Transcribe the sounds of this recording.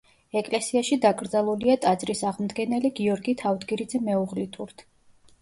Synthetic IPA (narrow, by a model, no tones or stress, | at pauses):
ɛkʼlɛsiaʃid̪akʼɾd̪zalˠuliat̪ʼad̪zʼɾisaʁmd̪ɡɛnɛliɡiɔɾɡit̪ʰavd̪ɡiɾid̪zɛmɛuʁlit̪ʰuɾt̪ʰ